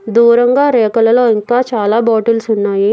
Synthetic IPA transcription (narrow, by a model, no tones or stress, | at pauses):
d̪uːɾɐŋɡaːɾɛːkɐlɐloːiŋkaːt͡ʃaːlaːbɔːʈɐlsunːaːji